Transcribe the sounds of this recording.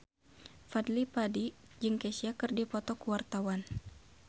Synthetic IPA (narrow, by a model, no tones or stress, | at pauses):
fadlipadid͡ʒɨŋkɛsiakɨrdipɔt̪ɔkuwart̪awan